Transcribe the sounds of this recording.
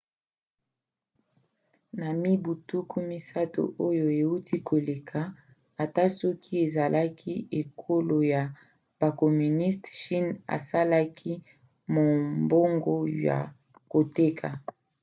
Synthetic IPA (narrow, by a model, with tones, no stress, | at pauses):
na˨mi˦bu˨tu˦ku˦mi˦sa˦to̰˨ʔo˦jo˨e˨u˦tʰi˦kʰo˨le˨kʰa˨ | a˨ta˦sɔ˦kʰi˦e˨za˨lʔa˦kʰi˦e˨kʰo˦lo˨ja˨ | b̥a˨kɔ˨my˨ni˦stʃi˦na̰˨sa˦la˦kʰi˦ | mo˨mbo˦ŋɡo˦ja̰˨ | ko˨te˦kʰa˨